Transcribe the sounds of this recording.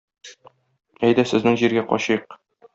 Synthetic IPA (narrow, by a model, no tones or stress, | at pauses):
æjd̪ɘsɘ̆znɘŋʑiɾɡæqɒ̰ɕɤjq